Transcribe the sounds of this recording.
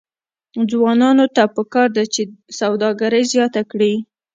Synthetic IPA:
d͡zwɑnɑnot̪apəkɑɾd̪at͡ʃesawd̪ɑɡaɾəjzjɑt̪akɽi

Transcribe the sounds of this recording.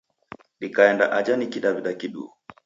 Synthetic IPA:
ɗikaɛndaʔad͡ʒanikiɗaβiɗakiɗṵu

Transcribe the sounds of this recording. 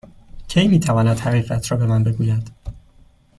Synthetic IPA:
cʰejmiːt̪ʰævɒːnæd̪̥hæɣiːɣæt̪ʰɾɒːbe̞mænbe̞ɡuːjæd̪̥

